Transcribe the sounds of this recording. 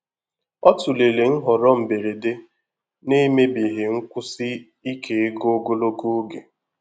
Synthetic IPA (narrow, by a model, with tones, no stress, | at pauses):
ɔ˦tʊ˨le˨le˨ŋ̩˦ɦɔ˨ɾɔ˦m̩˨be˨ɾe˨de˦ | ne˦me˦bi˨ɦe˨ŋ̩˦kʷʊ˦sɪ˦ | i˦kʰe˨e˦ɡo˦ɡo˦lo˦ku˦o˦ɡe˨